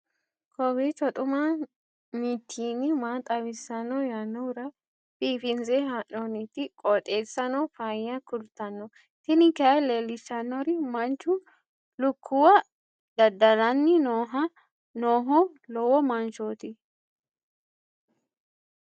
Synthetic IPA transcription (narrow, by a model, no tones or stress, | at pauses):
kʰɔbit͡ʃɔt̪ʼʊma | miːt̪ʰːiːnɪmaːt̪ʼɐwɪsːɐnːɔjanːɔɾɐ | piːfɪnzɛɦaʔɔnit̪ːɪkʼɔt̪ʼeːsːɐnɔfajːɐkʊlt̪ːɐnːɔ | t̪ɪnɪkɐɐleːlːɪsɐnːɔɾɪmɐnt͡ʃːʊ | lʊkʰːʊwɐ | d̪ɐd̪ːɐlɐnːɪnoːɐ | noːɦɔ | lɔwɔmɐnt͡ʃoːt̪ɪ